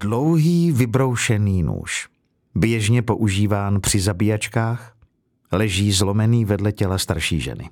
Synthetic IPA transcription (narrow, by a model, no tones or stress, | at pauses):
dlowɦiːvɪbɾo̞wʃɛniːnṵːʃ | bjɛʒɲɛpo̞ʔuʒiːvaːnpr̝̥ɪzabijat͡ʃkaːx | lɛʒiːzlo̞mɛniːvɛdlɛcɛlast̪aɾʃḭːʒɛ̰nɪ̰